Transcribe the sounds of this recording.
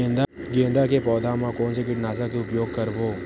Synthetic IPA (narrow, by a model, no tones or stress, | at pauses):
nd̪a | ɡẽnd̪akepɔːd̪ʱamãkoːnsekɪʈnaːzakeʊpjoːɡ̚kɐɾboː